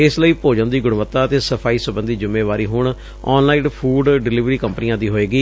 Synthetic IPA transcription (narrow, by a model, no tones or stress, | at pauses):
ɪsləiːpoːd͡ʒə̃nd̪iːɡʊɽʋət̪ːaːət̪eːsəpʰaːiːsəbə̃nd̪iːd͡ʒʊmːẽːʋaːɾiːɦʊɳ | ɔːnlaːĩːnpʰuːɖɖɪlɪʋɾiːkəmpənijãːd̪iːɦoːeːɡiː